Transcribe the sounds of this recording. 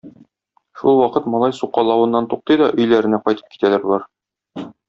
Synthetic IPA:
ʃulˠwɒqɤt̪mɒlˠɑjsuqːɑlˠɑwɤ̆nːɑnt̪uq̚t̪ɤjd̪ɒʔɵ̆jlæɾɘ̆næqɒjt̪ɤ̥p̚ki̥t̪ælæɾblˠɑɾ

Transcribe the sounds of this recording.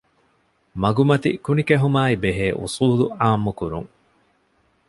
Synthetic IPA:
mɐɡumɐt̪ḭkunikeɦumaːibeɦeːʔṵsuːluaːmːukuɾuŋ

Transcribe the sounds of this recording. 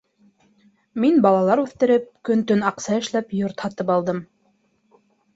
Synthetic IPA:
minbɑlˠɑlˠɑɾʉθt̪ɘ̆ɾɘp̚kɵ̆nt̪ɵnɑqsɑɘ̆ʃlæpjoɾt̪hɑt̪ɤpɑlˠd̪ɤm

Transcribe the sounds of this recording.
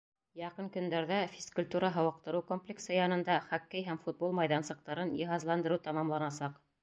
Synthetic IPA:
jɑqɤnkɵ̆nd̪æɾðæfʲiskulʲt̪uɾɑɦɤ̆wɑq̚t̪ɤ̆ɾɤwkomplʲeksɤjɑnɤ̆nd̪ɑχækːæjɦæmfut̪̚bolˠmɑjðɑnsɤ̆q̚t̪ɑɾɤnjiɦɑzlˠɑnd̪ɤɾɤwt̪ɑmɑmlˠɑnɑsɑq

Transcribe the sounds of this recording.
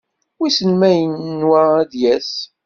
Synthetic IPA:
wisənmæjənːwææðjæs

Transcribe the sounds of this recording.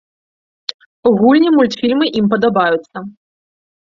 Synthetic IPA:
uɣulʲnʲimulʲt̪fʲilʲmɨʔimpɐd̪abajut̪sːɐ

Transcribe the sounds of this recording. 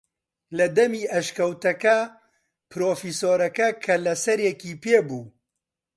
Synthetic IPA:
lɐd̪ɐmiːʔɐʃkɐwt̪ɐkɐ | pʰɨɾoːfisoːɾɐkɐkʰɐlɐsɐɾjɛkiːpeːbuː

